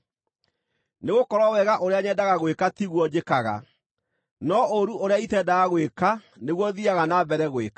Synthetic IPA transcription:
neɣokɔɾwɔwɛɣaʔoɾeaɲɛdaɣaɣwekatiɣwɔd͡ʑekaɣa̰ | nɔoɾuʔoɾeaitɛdaɣaɣweka | neɣwɔðiaɣanabɛɾɛɣweka

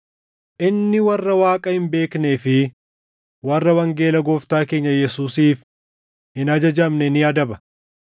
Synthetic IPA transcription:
ʔɪnːɪwɐrːɐwaːkʼɐhɪmbe̞ːkneːfɪ | wɐrːɐwɐŋɡe̞ːlɐɡɔft̪aːke̞ːɲːɐjɛsuːsiːf | ɪnɐd͡ʒɐd͡ʒɐmnɛnɪjaːd̪ɐbɐ̥

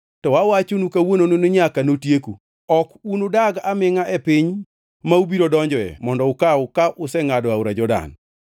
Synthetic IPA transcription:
tɔwawat͡ʃonukawonononoɲakanotjeku | ɔkunodaɡamɪŋaʔɛpɪɲ | maubiɾodɔɲd͡ʒɔɛ̰mɔndɔʊkaʊkaʔʊsɛŋadɔauɾad͡ʒɔda̰n

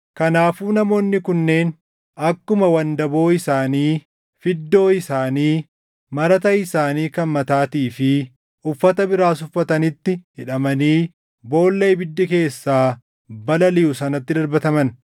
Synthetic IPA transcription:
kɐnaːfuːnɐmo̞ːnːɪkʊnːe̞ːn | ɐkːʊmɐwɐnd̪ɐbo̞ːɪsaːniː | fɪd̪ːo̞ːɪsaːniː | mɐɾɐt̪ɐɪsaːniːkɐnmɐt̪aːt̪iːfɪ | ʊfːɐt̪ɐbɪɾaːsʊfːɐt̪ɐnɪt̪ːɪhɪᶑɐmɐniː | bo̞ːlːe̞ːbɪd̪ːɪke̞ːsːaː | bɐlɐlɪjʊsɐnɐt̪ːɪd̪ɐɾbɐt̪ɐmɐn

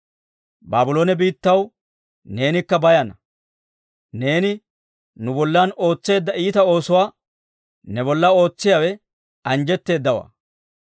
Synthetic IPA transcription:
baːbʊlo̞ːnɛbiːt̪ːɐw | ne̞ːnɪkːɐbɐjɐnɐ | ne̞ːnɪ | nʊbɔlːɐno̞ːt͡sːe̞ːd̪ːɐʔiːt̪ɐo̞ːsʊwaː | nɛβɔlːɐo̞ːt͡sːɪjawɛ | ɐnd͡ʒɛt̪ːe̞ːd̪ːɐwa̰ː

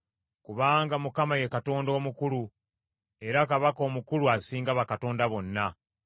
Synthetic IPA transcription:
kuβaːŋɡamukamaje̞kato̞ːndo̞ːmukulu | e̞ɾakaβako̞ːmukuluasiːŋɡaβakato̞ːndaβo̞nːa

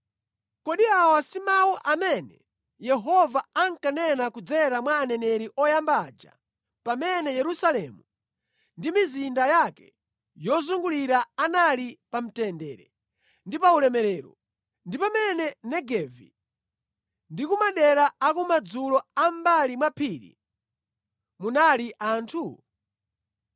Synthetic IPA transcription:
kɔɗiawasimauʔamɛnɛ | jɛɦɔvaaŋkanɛnakud͡zɛɾamwaːnɛnɛɾiʔɔjambad͡ʒa̰ | pamɛnɛjɛɾusalɛmu | ndimizindajakɛ | jɔzuŋɡuliɾaanalipam̩tɛndɛːɾɛ | ndipaulɛmɛɾɛːɾɔ̰ | ndipamɛnɛnɛɡɛvḭ | ndikumaɗɛɾaːkumad͡zulɔambalimwapʰiɾḭ | munaliʔaːntʰu

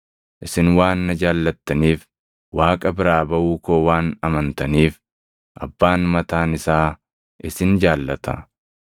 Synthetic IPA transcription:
ʔɪsɪnwaːnːɐd͡ʒaːlːɐt̪ːɐniːf | waːkʼɐbɪɾaːbɐʔuːkoːwaːnɐmɐnt̪ɐniːf | ʔɐbːaːnmɐt̪aːnɪsaː | ʔɪsɪnd͡ʒaːlːɐt̪ʰɐ̰

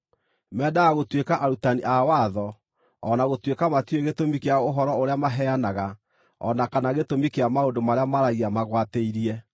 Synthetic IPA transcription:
mɛːdaɣaɣotwekaʔaɾutaniʔawaðɔ | ɔnaɣotwekamatweɣetomikeaoɦɔɾɔoɾeamaɦɛanaɣa | ɔ̰nakanaɣetomikeamaondomaɾeamaɾaiamaɣwateiɾiɛ

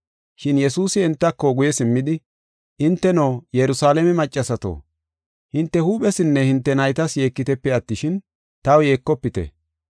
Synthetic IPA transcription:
ʃɪnjɛsuːsɪɛnt̪ːɐkːɔɡʊjɛsɪmːɪd̪ɪ | ʔɪnt̪ːɛnoːjɛɾʊsaːlɛmɛmɐt͡ʃʼːɐsɐt̪o̰ː | hɪnt̪ːɛhuːɓɛsɪnːɛhɪnt̪ːɛnɐjt̪ɐsje̞ːkːɪt̪ɛpːɛɐt̪ːɪʃɪn | t̪ɐwje̞ːkːɔpːɪt̪ɛ̰

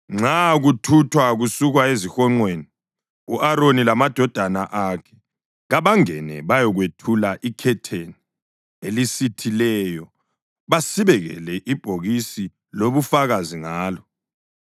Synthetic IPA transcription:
ŋ͡ǁʱaɣutʰutʰwaɣusuɣwaezixɔŋ͡ǀweni | uʔaɾonilamad̥ʱɔd̥ʱanaʔakʰɛ̥ | ɣaβaŋɛ̰nɛ̰βajɔɣwetʰulaʔikʰɛtʰeni | elisitʰilɛjɔ | βasiβɛɣɛ̰lɛʔib̥ʱoɣisi | loβufaɣaziŋaːlɔ

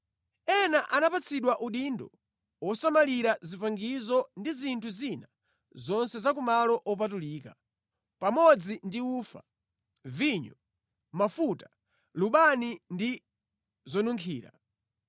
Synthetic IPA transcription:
ɛnaʔanapat͡sʰiɗwaʔuɗindɔ | wɔsamaliɾazipaŋɡizɔndizintʰuzina | zɔnsɛzak̬umalɔʔɔp̬atuliːka | pamɔd͡zindiuːfa̰ | viɲɔ | mafutḁ | luɓanindi | zɔnuŋkʰiːɾa̰

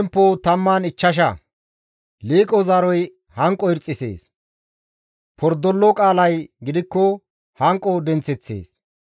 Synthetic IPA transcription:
ɛmpːot̪ɐmːaːnɪt͡ʃːɐʃ̬ɐ̰ | liːkʼɔzaɾɔj | hɐŋkʼːɔɪɾt͡sʼːɪsḛːs | pʰɔɾd̪ɔlːɔkʼaːlɐjɡɪd̪ɪkːɔ | hɐŋkʼːɔd̪ɛnt͡sːɛt͡sːḛːs

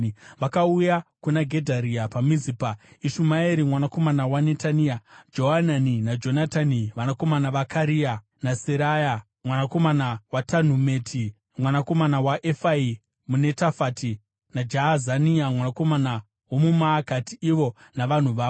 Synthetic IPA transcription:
ʋakaujakunaɡʱe̞dʱaɾiapamizipaiʃumaeɾimwanako̞manawane̞taniad͡ʒo̞ɦananinad͡ʒo̞nataniʋanako̞manaʋakʰaɾia | naseɾaja | mwanakomanawatan̤umetʰi | mwanako̞manawaʔefai | mune̞tafati | nad͡ʒaazaniamwanako̞mana | womumaːkatiiʋo̞naʋan̤uʋaːo

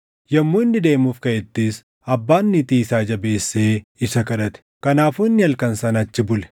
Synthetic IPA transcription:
jɐmːuːɪnːɪd̪e̞ːmufkɐjɛt̪ːɪs | ɐbːaːnːɪt̪iːsaːd͡ʒɐbe̞ːsːe̞ːɪsɐkɐᶑɐt̪ɛ̥kɐnaːfuɪnːɪɐlkɐnsɐnɐt͡ʃːɪbʊlɛ̥

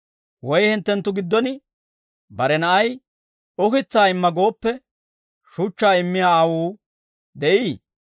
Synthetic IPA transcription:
wɔjhɪnt̪ːɛnt̪ːʊɡɪd̪ːɔnɪ | bɐɾɛnɐʔɐj | ɔkɪt͡sːaːɪmːɐɡo̞ːpːɛ | ʃʊt͡ʃːaːɪmːɪjaːɐwuː | d̪ɛʔiː

